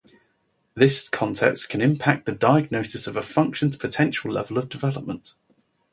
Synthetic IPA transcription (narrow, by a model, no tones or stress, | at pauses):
ðɪskʰɒ̃ntʰɛ̰kstkʰə̃nɪ̃mpʰak̚ðədaɪəɡ̚nəʊsɪsəvəfʌ̃ŋkʃə̃ndpʰətʰɛ̃nʃəlɛ̰vələvdɪvɛləp̚mə̃nʔ